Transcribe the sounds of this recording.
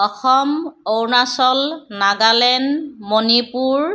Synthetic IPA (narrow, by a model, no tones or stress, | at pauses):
ɔxɔmownasɔlnaɡalɛnmonipuɹ